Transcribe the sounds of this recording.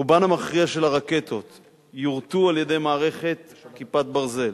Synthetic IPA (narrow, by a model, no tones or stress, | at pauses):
banamaχʁiaʃe̞laʁake̞t̪o̞t̪ | juʁt̪ualje̞de̞jmaːʁe̞χe̞t̪kipat̪̚baʁze̞l